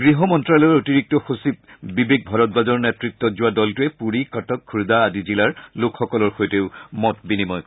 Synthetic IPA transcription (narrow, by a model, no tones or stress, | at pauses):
ɡɹiɦɔmɔntɹalɔɹotiɹik̚tɔxosip̚bibeɡ̚bʱaɹɔt̚bazɔɹnɛtɹit̪ːɔzʊwadɔltuɛpuɹikatɔkkʰːuɹd̪aːdizilaɹlokxɔkɔlɔɹxojteʊmɔt̚binimɔjk